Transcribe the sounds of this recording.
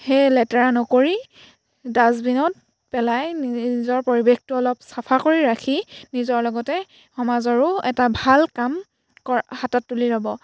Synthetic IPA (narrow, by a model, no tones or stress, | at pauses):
hejlɛtɛɹanɔkoɹi | dazbinɔt̚ | pɛlajnizɔɹpoɹibextuɔlɔpsapʰakoɹiɹakʰinizɔɹlɔɡɔtɛ | xɔmazɔɹʊɛtabʱalkam | kɔhatatːulizabɔ